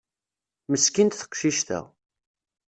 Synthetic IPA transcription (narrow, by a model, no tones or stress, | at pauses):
məskint̪θə̥qʃiʃt̪æ̰ʁ